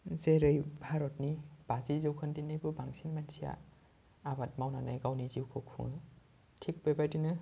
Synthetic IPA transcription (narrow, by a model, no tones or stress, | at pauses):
zeɾɯjbʱaɾɔt̚nib̥azizɯwkʰɯndinɯjbɯbaŋsinmansʰija̰ | abat̚mawnanajɡawniziwkʰokʰṵŋɯ | tʰik̚bejbajdinɯ